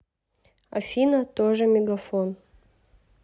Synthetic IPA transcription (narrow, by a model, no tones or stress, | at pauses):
ɐ̰fʲinɐt̪oʐɨmʲɪɡɐfon